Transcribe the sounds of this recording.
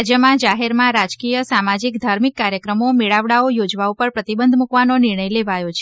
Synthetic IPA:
d͡ʒjəmãd͡ʒaɦeɾmãɾad͡ʒkijəsamad͡ʒikd̪ʱaɾmikːaɾjəkɾəmomeɭaʋɽaojod͡ʒʋaupəɾpɾət̪ibənd̪ʱmukʋanonɪɾɳ̃əjleʋajot͡ʃʰ

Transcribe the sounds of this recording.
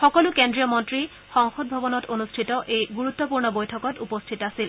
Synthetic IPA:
xɔkɔlukendɹijɔmɔntɹi | xɔŋxɔd̚bʱɔbɔnɔtonustʰitɔʔejɡuɹut̪ːɔpuɹnɔbojtʰɔkɔtupɔstʰitasil

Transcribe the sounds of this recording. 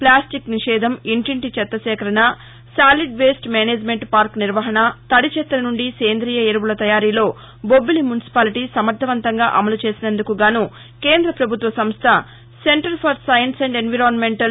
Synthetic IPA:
plaːsʈikniʂɛːd̪ɐmiɳʈiɳʈit͡ʃɛt̪ːɐsɛːkɐɾɐnɐ | saːliɖʋeːsʈmeːneːd͡ʒme̞ɳʈpaːɾkniɾʋɐɦɐnɐt̪ɐɽit͡ʃɛt̪ːɐɾɐnuɳɖiseːnd̪ɾiːjɐeɾɐʋulɐt̪ɐjaːɾiːlo̞ː | bobːilimjunisi̥paːliʈisɐmɐɾd̪ʰʱːɐʋɐnt̪ɐŋɡaːʔɐmɐlut͡ʃe̞ːsinɐnd̪ukuɡaːnu | keːnd̪ɾɐpɾɐbʱut̪ʋɐsɐmst̪ʰɐ | se̞ɳʈɐɾpʰɐɾsɐjɐnsɐɳɖenʋiɾoːnmeɳʈɐ

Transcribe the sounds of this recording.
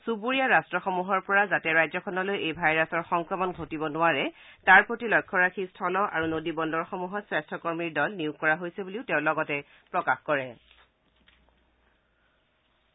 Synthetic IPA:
subuɹijaɹastɹɔxɔmuɦɔɹpɔɹazatɛɹajzɔkʰɔnɔlojejbʱajɹasɔɹxɔŋkɹɔmɔnɡʱotibɔnʊwaɹɛtaɹpɹotilɔjkʰːɔɹakʰistʰɔlɔʔa̰ɹunodibɔndɔɹxɔmuɦɔtsɹastʰɔkɔɹmiɹdɔlniʊɡkːɔɹaɦojsɛbuliʊtɛʊ̃lɔɡɔtɛ | pɹɔkaxkɔɹɛ

